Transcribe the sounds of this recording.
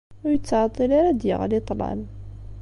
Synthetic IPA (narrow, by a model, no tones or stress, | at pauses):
ʊɾjət͡sːʕɑt̪ˤːilaɾad̪jə̰ʁlit̪ˤlɑ̰n